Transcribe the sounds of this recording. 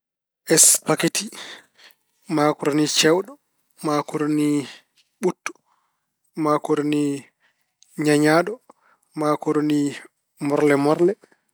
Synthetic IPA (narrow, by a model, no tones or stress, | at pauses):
ʔɛspaketi | makuɾnit͡ʃɛwɗɔ | makuɾni | ɓutːu̥ | makuɾni | ɲaɲaːɗɔ | makuɾni | mɔɾlɛmɔɾlɛ